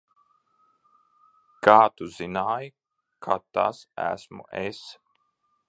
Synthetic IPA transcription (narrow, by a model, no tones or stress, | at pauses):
kaːt̪uzinaːj | kʰat̪a̰sæ̰smṵʔes